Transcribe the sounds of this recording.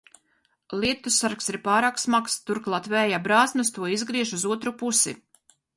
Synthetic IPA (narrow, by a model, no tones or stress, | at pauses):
lˠiɛt̪usaɾksiɾpaːɾaːksmakst̪uɾklˠat̪vɛːjabɾaːsnust̪uɔizɡɾiɛʃuzuɔt̪ɾupusḭ